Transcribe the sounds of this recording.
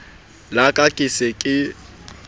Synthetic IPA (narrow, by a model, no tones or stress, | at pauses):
lakʼakʼɪsɪkʼɪ